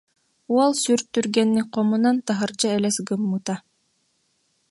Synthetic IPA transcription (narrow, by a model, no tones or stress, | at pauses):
uɔlˠsyɾt̪ːyɾɡɛnːiqɔmunant̪aɦɯɾd͡ʑaɛlɛsɡɯmːɯt̪a